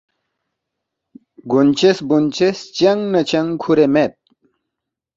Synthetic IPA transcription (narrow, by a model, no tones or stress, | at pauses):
ɡunt͡ɕesbunt͡ɕest͡ɕɐŋnɐt͡ɕɐŋkʰuɾemet̪̚